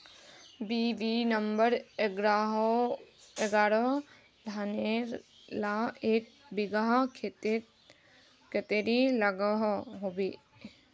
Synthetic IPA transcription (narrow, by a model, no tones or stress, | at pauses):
biʋinəmbəɾeɡɾaɦ | eɡaːɾə | lʱane | laeːk̚ | bɪɡaɦ | ket̪eɾilɐɡəɦɦobeː